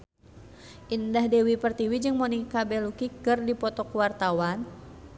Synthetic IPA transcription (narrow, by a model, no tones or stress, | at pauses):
ʔindahdɛwipərt̪iwid͡ʒɨŋmɔnikabɛlukikɨrdipɔt̪ɔkwart̪awan